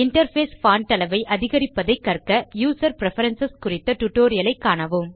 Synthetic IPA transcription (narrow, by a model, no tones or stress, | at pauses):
ɪɳʈɐɾfeːsfaːnt̪ɐlɐʋɐɪʔɐðɪɣɐɾɪpːɐðɐɪkːɐrkɐjuːsɐɾpɪɾɛfɐɾɐnsɐskʊrɪt̪ːɐʈʊʈːoːɾɪjɐlɐɪkːaːɳɐʋɯm